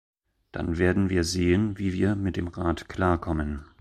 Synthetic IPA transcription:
d̥a̰nveːɐdn̩viːɐzeːənviːviːɐmɪt̚d̥eːmʁaːtkl̥aːɐkʰɔmən

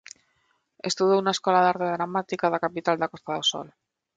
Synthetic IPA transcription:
ḛst̪uðounaeskolaðaɾt̪eðɾamat̪ikaðakapit̪ald̪akost̪aðoso̰l

